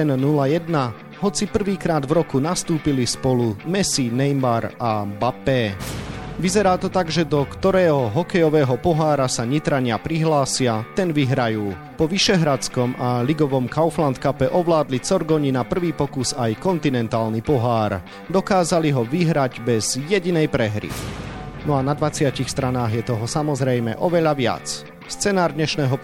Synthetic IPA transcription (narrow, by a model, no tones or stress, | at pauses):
ɛnnulajɛd̪na | ɦɔt͡sipr̩ʋiːkɾaːd̪vɾɔkunast̪uːpilispɔlumɛsinɛjmaɾabapɛː | ʋizɛɾaːt̪ɔt̪aɡʒɛd̪ɔkt̪ɔɾɛːɦɔɦɔkɛjɔʋɛːɦɔpɔɦaːɾasaɲit̪ɾaɲɪapɾiɦlaːsɪat̪ɛnʋiɦɾajuː | pɔʋiʃɛɦɾat͡skɔmaliɡɔʋɔmkaʊflant̪kapɛʔɔʋlaːd̪lit͡sɔɾɡɔɲinapr̩ʋiːpɔkusajkɔnt̪inɛnt̪aːlnipɔɦaːɾ | d̪ɔkaːzaliɦɔʋiɦɾaɟbɛz̥jɛɟinɛjpɾɛɦɾḭnɔanad̪ʋat͡sɪacixst̪ɾanaːɣjɛt̪ɔɦɔsamɔzɾɛjmɛ̰ʔɔʋɛʎaʋɪa̰t͡s | st͡sɛnaːɾd̪ɲɛʃnɛːɦɔ